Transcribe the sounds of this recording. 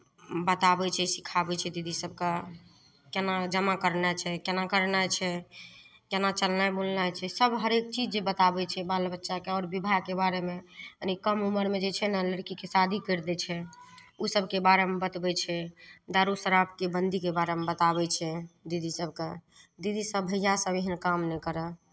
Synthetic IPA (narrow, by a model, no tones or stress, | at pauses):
bət̪abɛt͡ʃʰɛsikʰabɛt͡ʃʰɛd̪id̪ʱisəb̚ʱke | kenad͡ʒəmakəɾnat͡ʃʰɛkenakəɾnajt͡ʃʰɛ | kenat͡ʃəlnajbolnajt͡ʃʰɛsəbʱɦəɾek̚t͡ʃid͡ʒebət̪abɛt͡ʃʰɛbalbətːʃakeɔɾbibʱaɡ̚kebaɾemeənikəmuməɾmed͡ʒet͡ʃʰɛnaləɾkikesad̪ʱikəɾd̪ɛt͡ʃʰɛ | usəbʱkebaɾemebət̪bɛt͡ʃʰɛd̪aɾusəɾap̚kebənd̪ʱikebaɾemebət̪abɛt͡ʃʰɛd̪id̪isəbʱke | d̪id̪isəbːʱəjasəbeɦənkamnɛkəɾə